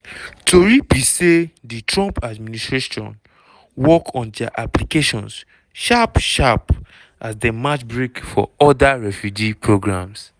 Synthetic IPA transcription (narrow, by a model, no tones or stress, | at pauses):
tʰoɹibiseditɹɔ̃mpadministɹeʃɔ̰̃n | wɔkʰɔ̃ndɛa̰ʔaplikeʃɔ̰̃ns | ʃapʃap | ʔasdemat͡ʃbɹekfɔ̰ɔdaɹɛfjud͡ʒipʰɹoɡɹãms